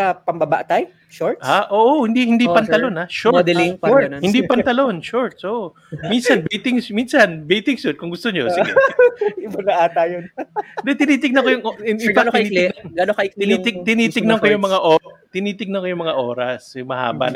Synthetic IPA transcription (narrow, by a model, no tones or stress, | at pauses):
ɐpɐmbɐba̰ʔt̪aj | ʃoɹt̪ʔaʔoːʔohɪnd̪ihɪnd̪ipɐnt̪ɐlonhaʃod̪ɐlɪŋhɪnd̪ipɐnt̪ɐlonʃoɹt̪̚sʔoːʔo | minsɐnbejt̪ɪŋminsɐnbejt̪ɪŋsut̪̚kʊŋɡʊst̪oɲosɪɡ | ɪbɐnɐʔaːt̪ajod̪ɛt̪ɪniːt̪ɪɡ̚nɐŋkojʊŋoɪfanɪiːɪɛɡ̪ɡɐnokɐɪk̪ɪiːt̪ɪɡt̪ɪniːt̪ɪɡ̚nɐŋkojʊŋmɐŋaʔoːt̪ɪniːt̪ɪɡ̚nɐkojʊŋmɐŋaʔo̞ːɾɐsjʊŋmɐha̰ːbɐ̰n